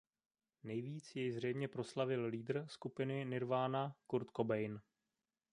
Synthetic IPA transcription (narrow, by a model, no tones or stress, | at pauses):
nɛjviːt͡sjɛjzr̝ɛjmɲɛpɾo̞slavɪlliːd̪r̩skupɪnɪnɪɾvaːnakuɾt̪kobɛjn